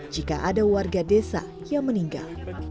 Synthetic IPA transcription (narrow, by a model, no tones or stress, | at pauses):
d͡ʒika̰ʔadawarɡadesa | jaŋməniŋɡa̰l